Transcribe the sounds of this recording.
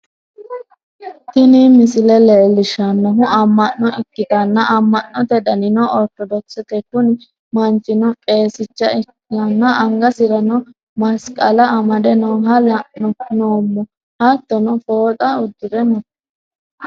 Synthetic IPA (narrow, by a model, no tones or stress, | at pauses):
t̪ɪnimɪsɪlɛlɛlːɪʃɐnːɔɦʊʔɐmːɐnːɔɪkːɪt̪ɐnːɐʔɐmːɐnːɔt̪ɛd̪ɐnɪnɔʔɔɾt̪ɔd̪ɔksɛt̪ɛkʊnɪ | mɐnt͡ʃʼːɪnɔkʼe̞ːsɪt͡ʃːɐɪk | ɐnːɐɐŋɡɐsɪɾɐnɔ | mɐskʼɐlɐɐmɐd̪ɛnɔwɦɐlɐnɔnoːmːɔ | hɐt̪ːɔnɔfo̞ːt͡sʼɐʊd̪ːɪɾɛnɔ